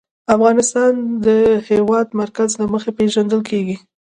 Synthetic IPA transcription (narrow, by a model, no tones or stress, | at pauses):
afɣɑnɪst̪ɑnd̪əhewɑd̪maɾkazlaməxepeʒand̪əlkʰeɡi